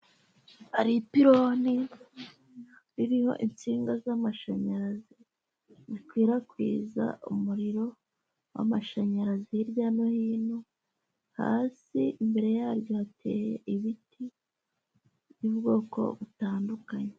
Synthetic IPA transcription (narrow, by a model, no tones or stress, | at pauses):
aɾipiɾoni | ɾiɾiho̞̰ʔint͡siːŋɡazamaʃaɲaɾazi | zikwiːɾakwḭːza̰umuɾiɾo̞ | wa̰maʃaɲaɾazijiɾɟaːnohiːnu | ha̰ːsiimbe̞ɾe̞jaːɾjo̞atʰe̞̰ːjḛʔiβiti | βuːbɡo̞ːko̞̰βutaːndukaɲe